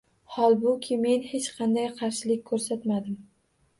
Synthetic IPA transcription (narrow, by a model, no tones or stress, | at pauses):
hɒlˠbʊkʲʰɪme̞nhe̞t͡ʃqʰɑnd̪ajqʰɑɾʃɪlɪkʲkʰːɵɾsat̪mad̪ɪm